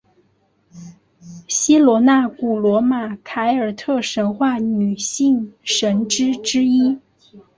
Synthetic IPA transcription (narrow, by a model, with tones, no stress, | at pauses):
ɕi˥lwɔ˧˥na˥˩ku˨˩lwɔ˧˥ma˨˩kʰa˧˥ɪə˞˨˩t̪ʰɤ˥˩ʂə˧˥nxwa˥˩ny˨˩ɕi˥˩ŋʂə˧˥nʈ͡ʂɻ̩˥ʈ͡ʂɻ̩˥i˥